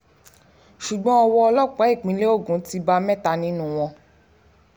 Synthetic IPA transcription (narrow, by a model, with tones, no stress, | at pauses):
ʃu˨ɡ͡bɔ̃˦ɔ˧wɔ˧ɔ˧lɔ˦k͡pa˨˦i˦˨k͡pĩ˨˦le˦o˦˨ɡũ˨˦ti˧ba˧mɛ̃˦ta˧nĩ˦nũ˦w̃ɔ̃˧